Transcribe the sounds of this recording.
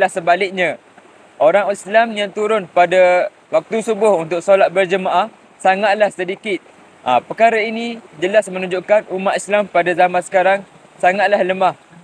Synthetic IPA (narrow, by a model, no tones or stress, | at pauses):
lahsəbalɪk̚ɲã | ʔoɾaŋislamjaŋt̪uɾʊnpada | wak̚t̪usubʊhunt̪ʊk̚solat̪̚bərd͡ʒəmaʔah | saŋat̪̚lahsədikɪt̪̚ | ʔapəkaɾainĩd͡ʒəlasmə̃nũɲd͡ʒuʔkanumaʔ̪islampadazamãnsə̥kaɾaŋ | saŋat̪̚lahləmah